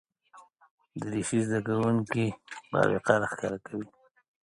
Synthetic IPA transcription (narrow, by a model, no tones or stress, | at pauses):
d̪əɾiʃizd̪akawuŋkibɑ̰wɪ̰qaɾaxkɑɾakawi